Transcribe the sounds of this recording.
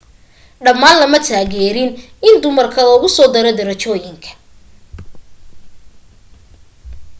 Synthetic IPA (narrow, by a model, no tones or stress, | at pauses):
ɖɐmːaːnlɐmɐt̪ʰaːɣɛːɾɪn | ɪnd̪ʊmɐrkʰɐlɔːɣʊsɔːd̪ɐɾɔd̪ɐɾɐt͡ʃɔːjɪŋkʰɐ̥